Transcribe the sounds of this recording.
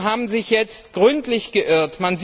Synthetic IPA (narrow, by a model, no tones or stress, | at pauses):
ɦaːbm̩zɪçjɛt͡stɡ̥ʁʏntlɪçɡ̥əʔɪɐtmanz